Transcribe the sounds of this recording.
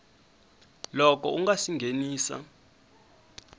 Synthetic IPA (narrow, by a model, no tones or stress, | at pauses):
lɔk̬ʼɔ̰uŋɡasiŋɡʱeniːsa̰